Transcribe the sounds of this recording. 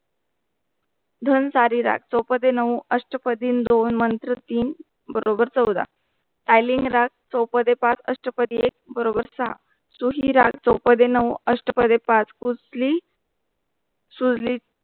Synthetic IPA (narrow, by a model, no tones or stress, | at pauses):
d̪ʱənsaɾiɾa̰k̚t͡sɔwpəd̪enəʋəʂʈəpəd̪iːnd̪onmənt̪ɾət̪iːn | bəɾobəɾt͡səwd̪a̰ | t̪ajliŋɡɾak̚t͡səwpəd̪epat͡sə̰ʂʈəpəd̪iek̚bəɾobəɾsəɦa̰ | suɦiɾa̰k̚t͡səwpəd̪enəwəʂʈəpəd̪epat͡skut͡sli | sud͡zli